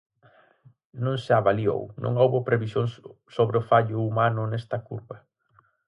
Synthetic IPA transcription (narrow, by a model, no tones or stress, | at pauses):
nõŋsɪaβalio̰wnʔõ̰ŋowβopɾeβisjoŋs | soβɾeʊfaʎʊumanʊnɛst̪ɐkuɾβɐ